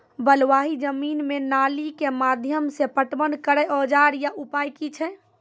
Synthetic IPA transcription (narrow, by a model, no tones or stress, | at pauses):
bəlʋaɦid͡ʒəminmenalikemad̪ʱjəmsepəʈbənkəɾɛʔɔd͡ʒaɾjaʔupajkit͡ʃʰɛ